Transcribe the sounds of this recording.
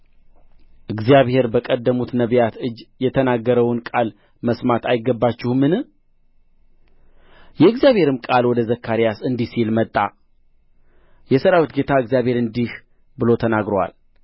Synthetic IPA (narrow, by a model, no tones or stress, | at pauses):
ʔɨɡzijaβhe̞ɾbəkʼəd̪ːəmut̪nəβjat̪ɨd͡ʒːjɛt̪ʰənaɡːəɾəwnkʼal | məsmat̪ajɪɡːəbːat͡ʃːɪhmɨnɨ | jɛɨɡzjaβhe̞ɾɨmkʼalwɔd̪əzəkʰːaɾijasɨnd̪isilmət̪ʼːa | jɛsəɾawit̪ɡet̪ʰaɨɡzjaβhe̞ɾɨnd̪ih | bɨlo̞t̪ʰənaɡɾowa̰l